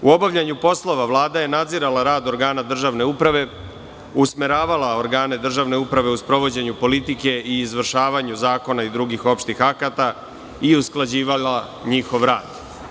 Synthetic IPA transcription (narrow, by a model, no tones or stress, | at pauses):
uo̞baʋʎaɲupo̞slˠo̞ʋaʋlˠaːd̪aje̞nad̪ziɾalaɾaːd̪o̞ɾɡaːnad̪r̩ʒaʋne̞upɾaʋe̞ | usmeɾaːʋalao̞ɾɡaːne̞d̪r̩ʒaʋne̞upɾaʋe̞uspɾo̞ʋo̞d͡ʑe̞ɲupo̞lit̪ike̞iːzʋr̩ʃaːʋaɲuzaːko̞naid̪ɾuɡixo̞pʃt̪ixakat̪a | iusklˠad͡ʑiːʋala | ɲixo̞ʋɾaːd̪